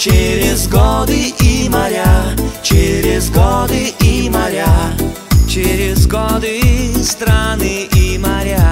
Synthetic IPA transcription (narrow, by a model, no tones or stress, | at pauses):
t͡ɕeɾʲɪzɡɔd̪ɨʔimɐɾʲat͡ɕeɾʲɪzɡɔd̪ɨimɐɾʲa | t͡ɕeɾʲɪzɡɔd̪ɨst̪ɾanɨʔimɐɾʲa